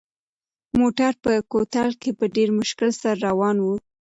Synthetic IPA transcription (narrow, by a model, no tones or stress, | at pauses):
moʈaɾpəkot̪alkepəɖeɾmʊʃkɪlsaɾːawɑnwu